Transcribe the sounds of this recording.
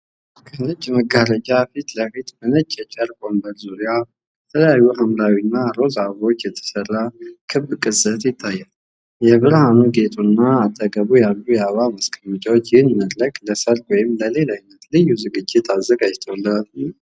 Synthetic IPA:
kʰənət͡ʃʼːməɡaɾəd͡ʒʼafit̪ləfit̪mɨnət͡ʃʼːɛt͡ʃʼəɾbombəɾzuɾija | jət̪ʰələjajːuhamɾawinːaɾo̞zaβo̞t͡ʃːjɛt̪ʰːə̥sərːakʰɨbkʼɨsʼət̪jɪt̪ʰːajːal | jɛβɨɾhanuɡe̞t̪ʼunːaːt̪ʰːəɡəβujalːujɛaβaməskʰəmɨt͡ʃʼawt͡ʃːjɪhnməd̪ləkʼləsəɾt̪wɔjɪmləle̞lanːət̪lɨjːuzɨɡɨd͡ʒːɪt̪ʰazːəɡad͡ʒt̪ʰəwlːəl

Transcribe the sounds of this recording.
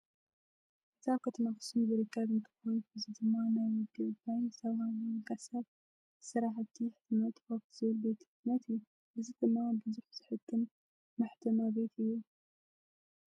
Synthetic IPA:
ʔɨzaβkʰɐt̪ʰɐmaxɨsubɨɾɨkʰːɐβɨnt̪ʰɨ̥xonuɨzid̪ɨmːanajmɨd̪ɨβt̪ajsɐβamkasɐb | ɨsɐɾaħɐt̪ʰːiħɨt̪ʰɐnat̪ʰɨ̥xofʰz̥ɨβɨlbe̞t̪ɨɡnɐt̪ɨjːu | ʔɨzid̪ɨmːabɨzuħz̥ɨħɨkʰːɨn | maħt̪ʰɐmabe̞t̪ʰɨjːu

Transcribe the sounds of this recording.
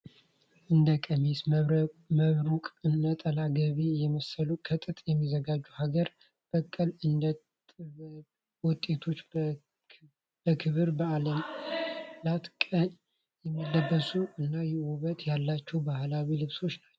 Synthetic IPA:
ʔɨnd̪əkʼəmes | məβɾukʼɨnːət̪ʼəlaɡəβijɛməsəlukʰət̪ʼɨt̪ʼjɛmːizəɡad͡ʒːuhaɡəɾ | b̥əkʼːəlɨnd̪ə | wʊt̪ʼːe̞t̪ʰo̞t͡ʃː | b̥əkʰɨβɨɾbəaləm | lat̪kʼəɲ | jɛmːɨlːəbːəsuʔɨnːajɛwuβət̪jalːat͡ʃːɛwbahlawilɨβso̞t͡ʃːnat͡ʃːɛ

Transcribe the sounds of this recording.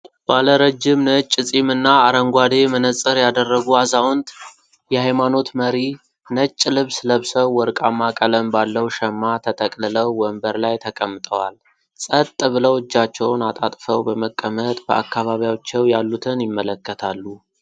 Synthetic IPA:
b̥aləɾəd͡ʒːɪmnət͡ʃʼːɨsʼimɨnːaːɾəŋɡʷad̪e̞mənəsʼɨɾjad̪ərːəɡuazawɔnt̪ | jɛhajmano̞t̪məɾi | nət͡ʃʼːlɨβsləβsəwːɔɾkʼamːakʼələmbalːəwʃɛmːat̪ʰət̪ʰʼəkʼlɨləwːəmbəɾlajt̪ʰəkʼəmːɨt̪ʼəwal | sʼət̪ʼːɨβɨləwɨd͡ʒːat͡ʃːɛwnat̪ʼat̪ʼfəwbəməkʼːəmət̪ʼbəʔakːaβaβijat͡ʃːɛwjalːut̪ʰɨnjɪmːələkːət̪ʰalːu

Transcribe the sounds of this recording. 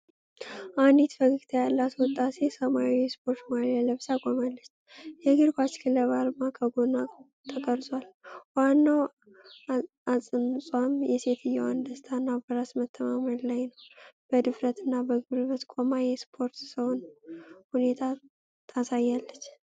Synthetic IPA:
ʔand̪it̪fəɡɨɡt̪ʰəjalːat̪wɔt̪ʼːase̞səmaijɛspʰo̞ɾt̪maaləβsakʼomalːət͡ʃː | jɛɡɨɾbat͡ʃkʰɨləβalmakʰəɡona | t̪ʰəkʼəɾzwalwanːaw | asʼɨnsʼwamjɛse̞t̪ʰɨjːɛwand̪əst̪ʰanːabəɾasmət̪ʰːəmaməllajnəwb̥əd̪ɨfɾət̪ɨnːabəɡɨβɾɨβət̪kʷʼomajɛspʰo̞ɾt̪səwnhune̞t̪ʰa | t̪ʰasajːalːət͡ʃː

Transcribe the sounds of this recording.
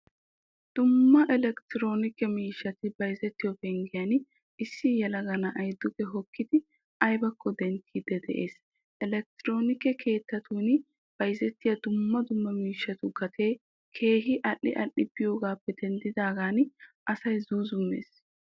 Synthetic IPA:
d̪̥ʊmːɐʔɛlɛkt̪ɪɾo̞ːnɪkːɛmiːʃːɐt̪ɪbɐjzɛt̪ːɪjɔbɛŋɡɪjɐn | ɪsːɪjɛlɐɡɐnɐʔɐjd̪ːʊkɛɦɔkːɪd̪ɪ | ʔɐjbɐkʰːɔd̪ɛnt̪ʰːiːd̪ɛd̪ɛ̰ʔe̞ːs | ʔɛlɛk̚t̪ɪɾo̞ːnɪkːɛkʰe̞ːt̪ːɐt̪ʰuːn | b̥ɐjzɛt̪ːɪjɐd̪ʊmːɐd̪ʊmːɐmiːʃːɐt̪ʊɡɐt̪ʰe̞ː | kʰe̞ːɦɪʔɐʔːɪ̰ʔɐʔːɪb̥ɪjo̞ːɡaːpːɛd̪ɛnd̪ɪd̪aːɡaːnʔɐsɐjzuːzʊmːḛːs

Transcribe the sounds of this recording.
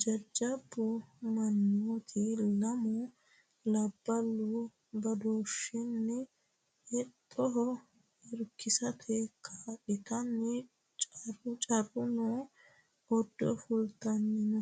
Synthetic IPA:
d͡ʒɐd͡ʒːɐbːʊmɐnːut̪ʰɪlɐmʊ | lɐbːɐlːʊ | bɐd̪oːʃɪnːɪ | ʔɛt̪ʼːɔɦɔ | ɪɾkːɪsɐt̪ʰɛkʰaːᶑɪt̪ɐnːɪ | t͡ʃʼrʊt͡ʃʼɐrʊnoː | ʔɔd̪ːɔfʊlt̪ɐnːɪnɔ

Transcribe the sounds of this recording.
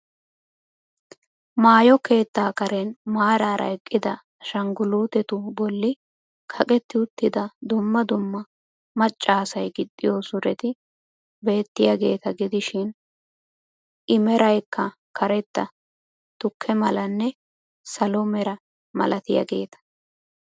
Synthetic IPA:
maːjɔke̞ːt̪ːaːkɐɾɛnmaːɾaːɾʔɐ̰ɛkʼːɪd̪ɐ | ʃɐŋɡʊluːt̪ɛt̪ʊbɔlːɪ | kʰɐkʼɛt̪ːɪʊt̪ːɪd̪ɐd̪ʊmːɐd̪ʊmːɐ | mɐt͡ʃʼːaːsɐjɡɪd̪ʼːɪjoːsʊɾɛt̪ɪ | be̞ːt̪ːɪjaɡe̞ːt̪ɐɡɪd̪ɪʃɪn | ʔɪmɛɾɐjkːɐ | kɐɾɛt̪ːɐ | t̪ʊkʰːɛmɐlɐnːɛ | sɐlɔmɛɾɐ | mɐ̰lɐt̪ɪja̰ɡe̞ːt̪ɐ̥

